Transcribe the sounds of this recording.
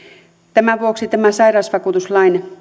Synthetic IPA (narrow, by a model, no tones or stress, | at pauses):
t̪æmæʋuoksit̪æmæsɑiɾɑːsʋɑkuːt̪uslɑijne